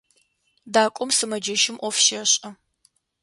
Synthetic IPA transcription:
daːkʷʼɔmsɨmɐd͡ʒɐʃɪmʔʷɔfʃɐɕʼɐ

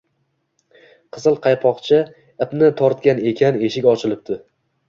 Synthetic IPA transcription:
qʰɨzɨlˠqʰɑjpʰɒqt͡ʃʰɪ | ɪpnɪt̪ʰɒɾt̪̚kʲane̞kʲʰane̞ʃɪkʲɒt͡ʃʰɪlɪp̚t̪ɪ

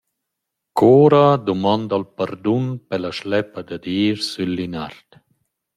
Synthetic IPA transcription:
kʰoːɾad̪umɔnd̪alpaɾd̪unpɛlaʃlɛpːad̪ad̪iːɾsylːinaɾt̪

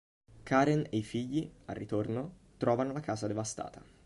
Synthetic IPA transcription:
kʰaːɾenejfiʎːia̰rːit̪ornot̪ɾɔːvanolakaːzad̪evast̪a̰ːt̪a

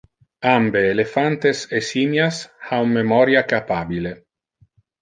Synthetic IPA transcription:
ambeːlefant̪esesinjashawmmːemɔɾjakapabile

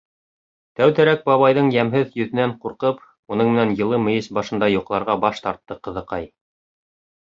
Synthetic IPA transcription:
t̪æwt̪æɾæk̚bɑβɑjðɤɴjæmɦɘðjɵ̆ðɘ̆næɴquɾqɤp | unɤɴmɘ̆nænjɤ̆lˠɤmɘ̆jɘsbɑʃɤ̆nd̪ɑjuqlˠɑɾʁɑbɑʃt̪ɑɾt̪ːɤqɤ̆ðɤ̆qɑj

